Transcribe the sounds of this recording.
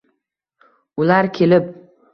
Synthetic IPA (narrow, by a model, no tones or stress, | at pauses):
ʊlaɾkʲʰe̞lɪp̚